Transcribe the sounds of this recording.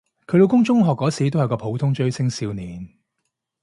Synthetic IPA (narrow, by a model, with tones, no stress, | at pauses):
kʰɵ˨˧˥lo˨˧wkʊ˥ŋt͡ʃʊ˥ŋɦɔː˨kːɔː˨˥siː˨˧t̪o˥whkɔː˧pʰo˨˧wt̪ʰʊ˥ŋt͡ʃɵ˥ɥsɪ˥ŋsiː˧wniː˨˧n